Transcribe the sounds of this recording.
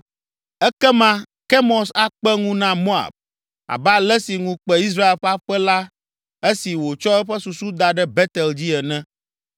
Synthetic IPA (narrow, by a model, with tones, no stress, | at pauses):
ɛ˦kɛ˦mã˦ | kɛ˦mɔ˨sa˦k͡pɛ˦ŋũ˦nã˦mo˦a̰˨b̚ | a̰˨ba˦lɛ˦si˨ŋũ˦k͡pɛ˦i˦s̬ɾa˦e˨lɸɛ˦a˦ɸɛ˦la˦ | e˦si˨wo˨t͡ʃɔ˦ɛ˦ɸɛ˦su˨su˦d̪a˨ɖɛ˦bɛ˦t̪ɛ˨ld͡ʑi˦ɛ˨nɛ̃˦